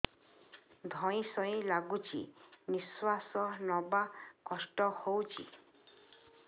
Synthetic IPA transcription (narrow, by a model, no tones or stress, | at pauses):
d̪ʱɔĩsɔĩlaɡut͡ʃʰḭniswasɔnɔbakɔsʈɔhowt͡ʃʰḭ